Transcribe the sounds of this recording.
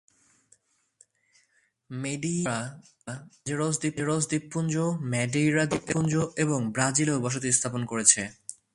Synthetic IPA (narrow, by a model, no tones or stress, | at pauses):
meɖia | ad͡ʑeɾos̬d̪ipːeɾos̬d̪ipːund͡ʑomɛɖijɾad̪ipːund͡ʑoeboŋbɾad͡ʑilebɔʃ̬ot̪̬ist̪ʰaponkoɾet͡ɕʰe